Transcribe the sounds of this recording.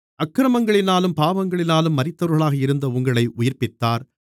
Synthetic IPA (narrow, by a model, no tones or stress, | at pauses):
ɐkːɾɐmɐŋɡɐɭɪnaːlɯmpaːʋɐŋɡɐɭɪnaːlɯmːɐɾɪt̪ːɐʋɾɣɐɭaːɣɐɪɾɯnd̪ɐʊŋɡɐɭɐɪʔʊjɪɾpɪt̪ːaːɾ